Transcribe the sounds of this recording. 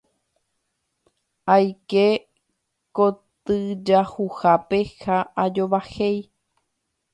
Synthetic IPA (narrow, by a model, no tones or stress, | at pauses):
ajke | kot̪ɨd͡ʒahuhapehaʔad͡ʒo̞ʋahej